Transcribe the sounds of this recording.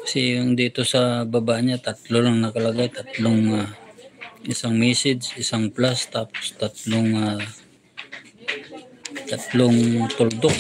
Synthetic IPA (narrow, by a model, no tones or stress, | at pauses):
kɐsɛjʊŋd̪iːt̪osɐbɐbaʔɲat̪at̪lolaŋnɐkɐlɐɡajt̪ɐt̪loŋa | ʔɪsaŋmɛːsɪd͡ʒʔɪsaŋplast̪aːpo̥st̪at̪loŋa | t̪ɐt̪loŋt̪ʊld̪ok̚